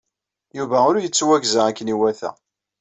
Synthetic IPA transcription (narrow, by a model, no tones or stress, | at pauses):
juvæʊɾjət͡sːwæɡzæækːəniwæθæ̰